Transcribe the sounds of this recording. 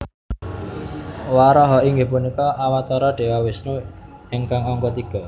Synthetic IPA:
waɾɔɦɔʔiŋɡepunikɔawat̪ɔɾɔɖ̥e̤wawɪsnuɪŋkaŋɔŋkɔt̪iɡ̥ɔ̤

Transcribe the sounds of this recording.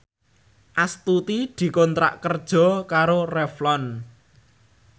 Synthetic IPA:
ʔast̪ut̪id̪̥i̤kɔnt̪ɾa̰ʔkərd̥ʒ̥ɔ̤kaɾorɛflɔn

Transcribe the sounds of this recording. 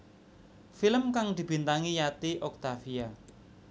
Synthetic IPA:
filəmkaŋd̪̥i̤bi̤nt̪aŋijat̪iʔɔk̚t̪afia

